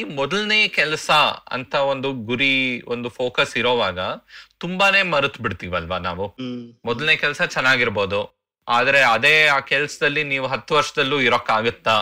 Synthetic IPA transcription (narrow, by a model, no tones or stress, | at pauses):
iːmɔd̪ɐlne̞ːjɐkɛlɐsɐɐ̰nt̪ʰɐo̞nd̪uɡuɾiond̪upʰo̞ːkɐsiɾoːʋaːɡɐt̪umbaːne̞ːmɐɾut̪biɽt̪iːʋɐlʋɐna̰ːʋumɔd̪ɐlneːɐkɛlɐsɐt͡ʃɛnːaːɡiɾbo̞ːd̪u | a̰ːd̪ɐɾe̞ɐd̪e̞ːaːkɛlɐsɐd̪ɐlːiniːʋuɦɐt̪ːuʋɐɾʂɐd̪ɐlːuːiɾokːaːɡut̪ːa